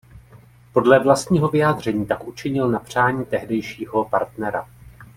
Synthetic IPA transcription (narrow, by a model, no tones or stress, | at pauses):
po̞dlɛvlast̪ɲiːɦo̞vɪjaːd̪r̝ɛɲiːt̪akʔut͡ʃɪɲɪlnapr̝̥aːɲiːt̪ɛɦdɛjʃiːɦo̞pa̰ɾt̪nɛɾa̰